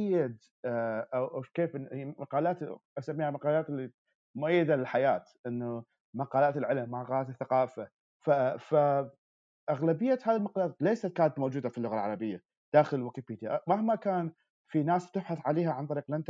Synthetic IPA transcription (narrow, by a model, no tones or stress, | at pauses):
ʔjːɪd̪ | ʔawʔawkeːfhmaqɑːlaːt̪ʔasamːiːhamaqɑːlaːt̪lːi | mʊʔajːɪd̪alɪlħajaːt̪ʔɪnːu | maqɑːlaːt̪ɪlʕɪlmːamaqɑːlaːt̪θːaqɑːfa | fafa | ʔaɣlabɪjːahaːðilmaqɑːlaːt̪lejsat̪̚kaːnat̪mowd͡ʒuːd̪afilːʊɣalʕɑɾˤɑbɪjːa | d̪̥aːxɪlwɪkɪpiːt̪iʔmahmakaːn | finaːsb̚t̪ɪbħaθʕaleːhaʕant̪ˤɑɾiːqlʔant̪